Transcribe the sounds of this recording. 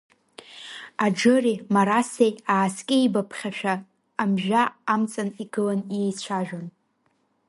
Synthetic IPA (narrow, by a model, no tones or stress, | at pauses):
ad͡ʒɨrimaɾasejaːskʲʼɪibapʰχʲaʃᶣaː | mʒᶣaamt͡sʼaniɡɨlanejt͡ɕʷʰaʒᶣan